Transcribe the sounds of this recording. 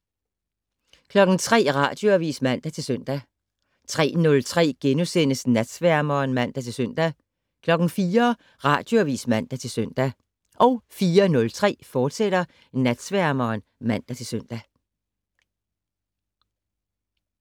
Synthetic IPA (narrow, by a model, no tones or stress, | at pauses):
kʰlɒ̽ɡ̥n̩t͡sʰʁɛ̰ːʁɑ̰̈ːd̥joæʋḭːsmæn̰d̥æt͡sʰe̝lsøn̰d̥æ | t͡sʰʁɛ̰ːnɔ̽lt͡sʰʁɛ̰ːɡ̥enusen̰əsnæd̥sʋæɐ̰mɐːnmæn̰d̥æt͡sʰe̝lsœn̰d̥æ | kʰlɒ̽ɡ̥n̩fiːɐ | ʁɑ̈ːd̥jo̝æʋḭːsmæn̰d̥æt͡sʰe̝lsøn̰d̥æ | ʔɒʊfiːɐnɔ̽lt͡sʰʁɛ̰ːfɒːd̥seɾ̥ɐ | næd̥sʋæɐmɐːnmæn̰d̥æt͡sʰe̝lsøn̰d̥æ